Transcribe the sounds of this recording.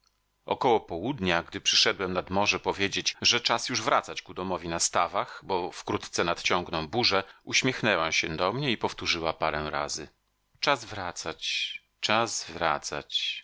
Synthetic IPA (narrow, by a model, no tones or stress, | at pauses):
ɔ̰kɔwɔpɔwud̪ɲaɡd̪ɘpʂɘʂɛd̪wɛmnad̪mɔʐɛpɔvʲjed͡ʑed͡ʑʐɛt͡ʂasjuʐvɾa̰t̪sat͡ɕkud̪ɔmɔvʲinast̪avaxbɔfkɾut̪t̪sɛnat̪t͡ɕɔŋɡnɔ̃w̃buʐɛuɕmʲjɛxnɛwaɕɛd̪ɔmɲɛipɔft̪uʐɘwapaɾɛw̃ɾa̰zɘ | t͡ʂazvɾat̪sat͡ɕ | t͡ʂazvɾa̰t̪sa̰t͡ɕ